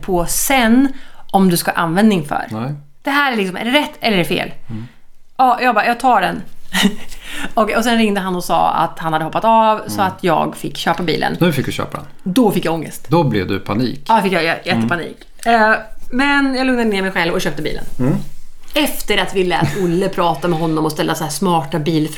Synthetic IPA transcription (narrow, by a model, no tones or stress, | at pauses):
pʰɔsɛnːɔmd̪ɵskaʔa̰nvɛnd̪nɪŋfœ̰ɾ | d̪̥ɛɦæːɾæɭɪksɔmɛ̰ɾɛɾɛt̪ːɛlːəɛɾɛfḛːl | ɑjɑːɡbɑjɑːɡ̚t̪ʰɑːɖɛn | ɔkɛɔs̬ɛnɾɪŋd̪əɦanɔsɑ̰ːa̰t̪hanhad̪ːəɔpːat̪ɑːvsɔat̪ʰjɑ̰ːɡfɪkːɕøːpabḭːlə̰nnʉ̟ːfɪkːd̪ɵɕø̰ːpad̪ɛ̰nd̪ɔfɪkːjaɡɔŋːə̰st̪d̪ɔblɛ̰vd̪ɵ̰pʰanḭːkɑd̪fɪkjajjɛt̪ːəpanḭːkː | mɛnjɑɡlɵŋnad̪əneːɾmɛjɧɛlvɔɕøːp̚t̪əbḭːlə̰n | ɛft̪əɾat̪vɪlːɛ̰ːt̪ʊlːəpʰɾɑːt̪amɛɦɔnːɔmɔst̪ɛlːasæːʂmɑːʈabiːlf